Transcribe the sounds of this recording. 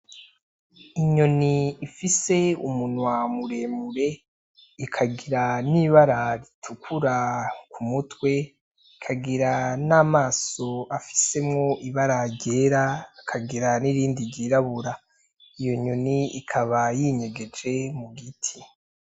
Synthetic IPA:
iɲo̞niːfise̞umunwamuɾe̞muɾe̞ | ikʰaɡiɾaniβaɾaɾitʰukʰuɾakumutwe̞ | kʰaɡiɾanaːmaːso̞afi̥se̞mŋo̞ʔiβaɾaɟe̞ːɾaːkʰaɡiɾaniɾiːndiɾɟiɾaβuɾa | ijo̞ɲo̞niikʰaβajiɲe̞ɡe̞d͡ʒe̞muɡitʰi̥

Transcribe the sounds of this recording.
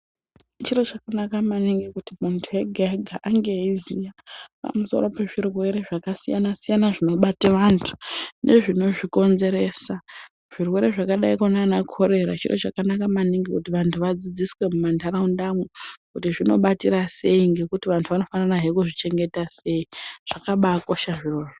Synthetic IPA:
t͡ʃiro̞t͡ʃakanakamaniŋɡikutimuntʰue̞ɡʱaaɡʱaʔaŋɡe̞ɦizijapa̰muso̞̰ɾo̞pe̞ʐirwe̞ɾe̞ʐakasijanasijanaʐino̞ɓatiʋantʰu̥nʔeʐino̞ʐiko̞nze̞ɾeːsa | ʐ̥irwe̞ɾe̞ʐakaɗaikonanakʰo̞ɾe̞ɾat͡ʃḭro̞̰t͡ʃakanakamaniŋɡikutiʋantʰuʋad͡zid͡ziswe̞mumandaɾaundamwekutiʐino̞ɓatiɾase̞iŋɡe̞kutiʋantʰuʋano̞fanaraɦekuʐit͡ʃe̞ŋɡe̞tase̞iʐ̥akaɓako̞ʃaʐiroːʐo

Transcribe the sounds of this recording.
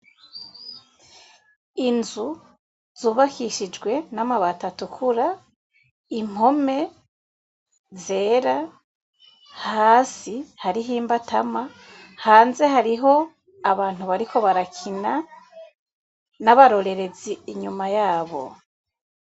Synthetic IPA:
inzu | z̥uːβakiʃid͡ʒɡwe̞namaβatatukʰuɾa | im̥ho̞me̞ | ze̞ːɾa | haːsihaɾiɦiːmbatama | haːnze̞ɦaɾiɦo̞ | aβaːn̥huβaɾiko̞βaɾakʰina | naβaɾo̞ɾe̞ɾe̞ziːɲumajaːβo̞̰

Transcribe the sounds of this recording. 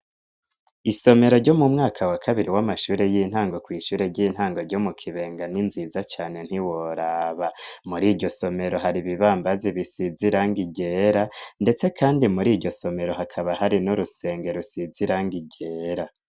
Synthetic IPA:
iso̞me̞ɾo̞ɾɟo̞mumŋaːkʰawakʰaβiɾiwamaʃuːɾe̞jiːn̥haːŋɡo̞kwiːʃuːɾe̞ɾɟiːn̥haːŋɡo̞ɾɟomukʰiβe̞ːŋɡaninziːzat͡ʃaːne̞n̥hiwoɾaːβamuɾiːɾɟo̞so̞me̞ɾo̞ɦaɾiβiβaːmbaziβisiziɾaŋɡiɟeːɾande̞t͡se̞kʰaːndimuɾiːɾɟo̞so̞me̞ɾo̞ɦakʰaβaɦaɾinuɾuse̞ːŋɡe̞ɾusiziɾaŋɡiɟe̞ːɾa

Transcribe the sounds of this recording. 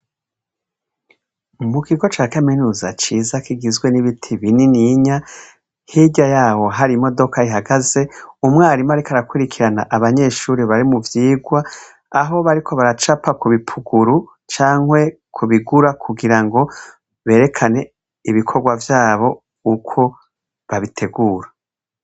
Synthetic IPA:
mukiɡo̞t͡ʃaːkaminuːza̰t͡ʃiːzakiɡizɡwe̞niβitʰiβininiɲa | hiɟajaːho̞ɦaɾimo̞do̞kaiɦaɡaze̞umŋaːɾimaɾikaɾakuɾikʰiɾana̰ʔaβaɲe̞ʃuːɾiβaɾimuvjiːɡwa | aɦo̞βaɾikʰo̞βaɾat͡ʃapakuβipʰuɡuɾu | t͡ʃaːŋhwe̞kʰuβiɡuɾakʰuɡiɾaŋɡo̞ | βe̞ːɾe̞kʰane̞ | iβikʰo̞ɡwavjaːβo̞ | ukʰo̞ | βaβitʰe̞ɡuːɾḁ

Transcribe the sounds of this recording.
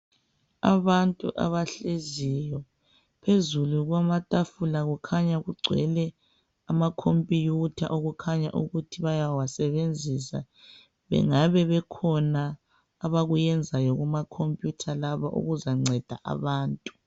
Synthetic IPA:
a̰βantʼṵʔa̰βaɬezijɔ | pʰezuluɣwamatʼafulaɣukʰaɲaɣuɡ͡ǀʱwɛ̰lɛ | amakʰompʼijutʰa̰ʔoɣukʰaɲaʔuɣutʰiβajawasɛβend͡zʱisa̰ | βɛ̰ŋaβɛβɛkʰɔnaː | βaɣujɛnd͡zʱajɔɣumakʰompʼjutʰalaβaʔṵɣuzaŋ͡ǀʱɛd̥ʱa̰ʔa̰βaːntʼu

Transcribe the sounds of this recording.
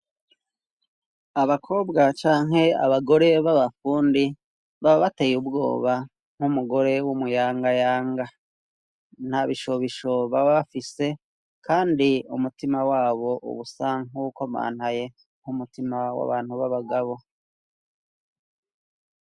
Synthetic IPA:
aβakʰo̞ːbɡat͡ʃaːŋɦe̞a̰βaɡo̞ɾe̞βaβafuːndi | βaββatejubɡo̞̰ːβa | ŋ̥humuɡo̞ɾe̞wumujaːŋɡajaːŋɡa | n̥haβiʃoβiʃoβaβafise̞ | kaːndiṵmutimawaːβo̞ʔṵβusaŋuko̞ma̰ːnhaje̞ | ŋ̥humutimawa̰βaːn̥huβaβaɡaβo̞

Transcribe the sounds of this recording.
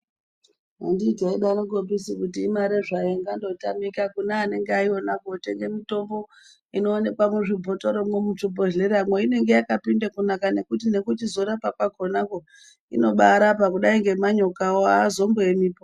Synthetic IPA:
a̰ndiːdaiɗanoɡopisikutiːmaɾeʐajeŋɡando̞tamikakunaːne̞ŋɡeaio̞nakote̞ŋɡe̞mito̞mbo̞ | inoːne̞kwamwuʐibʱo̞to̞ɾomwemut͡ʃobʱoɮeɾamweine̞ŋɡe̞jakapindakunakane̞kutine̞kutizo̞ɾapakwaɡʱo̞nako̞ | ḭno̞ɓaɾapakuɗaiŋɡe̞maɲokawoazo̞mbeemiːpo

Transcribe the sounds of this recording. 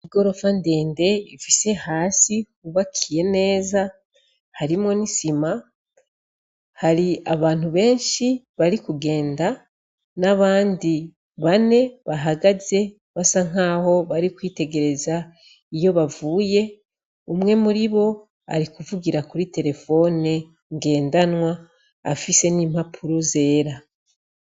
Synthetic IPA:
iɡo̞ɾo̞fande̞ːnde̞ifise̞haːsikuβakʰije̞ne̞ːza | haɾimŋo̞nisima | haɾiaβaːn̥huβe̞ːnʃi | βaɾikuɡe̞ːnda | naβaːndi | βane̞βaɦaɡaze̞ | βasaŋaːho̞βaɾikwiːte̞ɡe̞ɾe̞za | ijo̞βavuːje̞ | umŋe̞muɾiβo̞ | a̰ɾikuvuɡiɾakuɾite̞ɾe̞fo̞ne | ŋɡe̞ːndanwa̰ː | fise̞nimhapʰuɾo̞ze̞ːɾa

